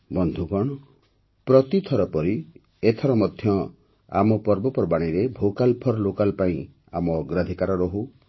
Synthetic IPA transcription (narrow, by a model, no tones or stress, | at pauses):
bɔnd̪ʱuɡɔɽ̃ | pɾɔt̪it̪ʰɔɾɔpɔɾi | et̪ʰɔɾɔmɔd̪ʱjɔ | a̰mɔpɔɾbɔpɔɾbaɽ̃iɾebʱokalpʰɔɾɔlokalpaĩ | amɔːɡɾad̪ʱikaɾɔɾɔɦu